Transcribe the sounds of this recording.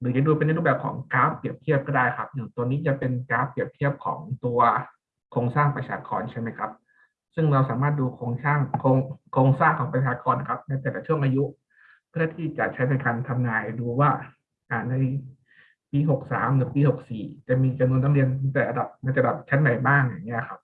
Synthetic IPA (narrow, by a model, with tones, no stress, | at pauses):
ɾɯː˦t͡ɕa˨˩duː˧pe˧nː˧ɾu˥˩bɛː˨˩kʰɔ̰ː˩˦ŋkaː˦˥pɾi˨˩əp̚t̪ʰi˥˩əp̚kɔː˥˩daː˥˩jkʰa˦˥p̚jɯ˨˩ŋt̪u˧niː˦˥t͡ɕa˨˩pe˧nkaː˦˥pːi˨˩p̚t̪ʰi˥˩əp̚kʰɔ̰ː˩˦ŋt̪u˧ɐ | kʰoː˧ŋsaː˥˩ŋpɾa˧t͡ɕʰaː˧kɔ̰ː˧nt͡ɕʰa˥˩jma˦˥jkʰa˦˥p̚ | sɯ˥˩ŋɾa˧wsaː˨˩˦maː˥˩t̪̚duː˧kʰoː˧ŋsaː˥˩ŋkʰoː˧ŋkʰoː˧ŋsaː˥˩ŋkʰɔː˩˦ŋpɾa˧˩t͡ɕʰaː˧kɔː˧nːa˨˩kʰa˦˥p̚na˥˩t̪ɛː˨˩kaː˨˩t͡ɕʰu˥˩əŋʔaː˧ju˦˥ʔ | kʰːt̪ʰiː˥˩t͡ɕa̰˨˩ʔt͡ɕʰa˦˥jna˧jkaː˧nt̪ʰa˧mnaː˧jduː˧waː˥˩ | ʔaː˨˩na˧j | piː˧ɦo˨˩k̚sa̰ː˩˦mlɯː˩˦piː˧ho˨˩k̚siː˨˩t͡ɕa˨˩miː˧t͡ɕa˧mnu˧ənʰa˧mli˧ən˧˩ŋt̪ɛː˨˩ɾa˧da˨˩p̚maː˥˩t͡ɕːa˨˩baː˨˩p̚t͡ɕʰa˦˥nːa˨˩jbaː˥˩ŋja̰˨˩ŋːi˦˥ɐ˨˩kʰa˦˥p̚